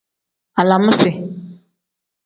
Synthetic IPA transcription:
a˨la˨mʊ̃˦sɪ˨

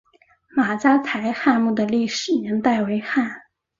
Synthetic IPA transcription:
ma˨˩t͡ɕa˥t̪ʰa˧˥ɪxa˥˧mu˥˩d̪ə˩li˥˩ʂɻ̩˨˩nɛ˧˥ŋt̪a˥˩ɪwe˧˥ɪxa˥˩n

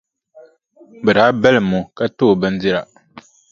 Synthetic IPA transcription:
bɨ˨daː˨˦bɛ˦lɨ˨mu˨ka˦toː˦˨bɨ˦n˦di˦ɾa˨

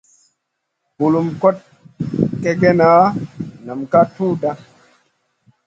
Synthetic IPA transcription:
bu˨lu˨mko˦t̚ | ke˦ɡe˦na˨˦na˨mka˦tu˦da˦

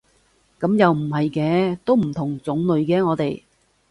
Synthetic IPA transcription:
kɐ˨˥mjɐ˨wm̩˨˩ɦɐ˨jkɛː˨˧˥t̪o˥wm̩˨˩t̪ʰʊ˨˩ŋt͡sʊ˨˥ŋlɵ˨ɥkɛː˧ŋɔː˨˧t̪e˨j

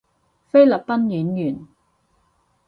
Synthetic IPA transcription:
fe˥jlɐ˨˩p̚pɐ˥njyː˨˥njyː˨˩n

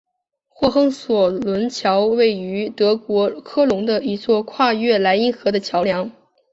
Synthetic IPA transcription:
xwɔ˥˩xɤ˥ŋswɔ˨˩lwə˧˥nt͡ɕʰjɑ˧˥ʊwe˥˩ɪy˧˥t̪ɤ˧˥kwɔ˧˥kʰɤ˥lʊ˧˥ŋd̪ə˧i˧˥t͡swɔ˥˧kʰwa˥˧ɥɛ˥˩la˧˥ɪi˥ŋxɤ˧˥d̪ə˧t͡ɕʰjɑ˧˥ʊljɑ˧˥ŋ

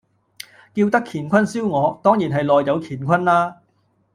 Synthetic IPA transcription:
kiː˧wt̪ɐ˥kʰːiː˨˩nkʷʰɐ˥nsiː˥wŋɔː˨˧t̪ɔː˥ŋjiː˨˩nɦɐ˨jlɔː˨jjɐ˨˧wkʰiː˨˩nkʷʰɐ˥nlaː˥

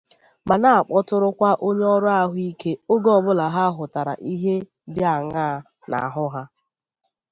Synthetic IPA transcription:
ma˨na˨a˨k͡pɔ˦tʊ˦ɾʊ˦kʷa˦ʔo˦ɲe˦ɔ˦ɾʊ˦a˦ɦʊ˦i˦ke˦o˦ɡɔ˦˨bʊ˦la˨ɦa˦ɦʊ˨ta˨ɾa̰˨ʔi˦ɦe˦ | dɪ˦a˨ŋaː˦˨ | na̰˨ɦʊ˦ɦa˦

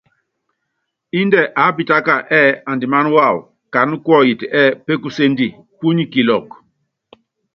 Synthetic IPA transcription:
i˦ndɛ˨ʔa˨˦pi˨ta˦ka˨ʔɛ˦˨a˨ndi˨ma˦n˦wa˦˨w | ka˨nu˦kɔ˦˨ji˨ti˨ʔɛ˦˨pe˦ku˦se˦n˦di˨ | pu˦ɲi˦ki˨lɔ˨k

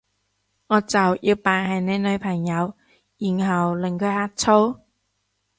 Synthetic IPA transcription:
ŋɔː˨˧t͡sɐ˨wjʔiː˧wpaː˨˩nhɐ˨˩jne˨˧nɵ˨˧ɥpʰɐ˨˩ŋjɐ˨˧w | ji˨˩nɦɐ˨wlɪ˨˩ŋkʰɵ˨˧˥haː˧˥k̚t͡sʰo˥w

